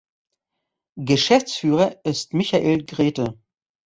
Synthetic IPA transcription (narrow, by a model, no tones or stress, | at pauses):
ɡəʃɛft͡sfyːʁɐʔɪstmɪçaʔeːlɡʁeːtə